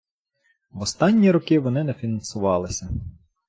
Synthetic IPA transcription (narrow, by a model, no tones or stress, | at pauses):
ʋɔst̪ɑnʲːiɾɔkɪʋɔnɪnɛfʲinɐnsʊʋɑlˠɪsʲɐ